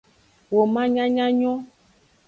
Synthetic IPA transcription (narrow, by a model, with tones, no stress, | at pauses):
wo˨mã˦ɲã˦ɲã˦ɲɔ̃˦